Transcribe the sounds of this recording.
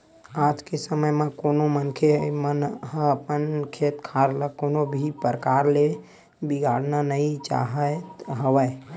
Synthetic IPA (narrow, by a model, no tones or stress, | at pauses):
aːd͡ʒkesəməjmẽkonomənkʰemənɦə̃əpənkʰet̪kʰaɾlakonobʱipəɾəkaɾle | biɡʱaɽnanəĩt͡ʃa̰ɦət̪ɦəwəj